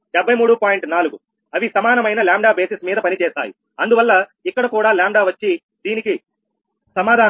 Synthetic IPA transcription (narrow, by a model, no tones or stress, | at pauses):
ɖɛbʱːɐjmuːɽupaːjiɳʈnaːluɡu | ɐʋisɐmaːnɐmɐjnɐlaːɳɖaːbe̞ːsismiːd̪ɐpɐnit͡ʃɛːsa̰ːjḭ | ɐnd̪uʋɐlːɐikːɐɽɐkuːɽaːlaːɳɖaːʋɐt͡ʃːi | d̪iːniki | sɐmaːd̪ʱaː